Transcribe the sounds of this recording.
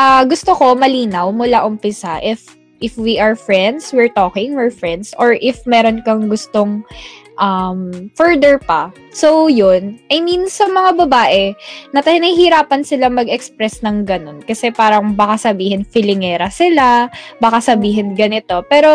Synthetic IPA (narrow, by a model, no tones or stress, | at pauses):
ʔaɡʊst̪oko̞mɐliːnɐwmʊlaʔʊmpɪsaʔɪf | ʔɪfwiʔɐɹfɹɛnd̪swɪɹt̪oːkɪŋwɪɹfɹɛnd̪soɹʔɪfmɛːɾo̞nkɐŋɡʊst̪o̞ŋʔɐmfɛɹd̪ɛɹpɐ | sojonʔɐjminsɐmɐŋabɐbaːʔɛnɐt̪ɐnɐhɪɾaːpɐnsɪlamɐɡɛkspɾɛsnɐŋɡɐno̞nkɐsɛpaːɾɐŋbɐkasɐbiːhɪnfɪlɪŋɛːɾɐsɪlabɐkasɐbiːɦɪnɡɐnɪt̪o̞pɛːɾo̞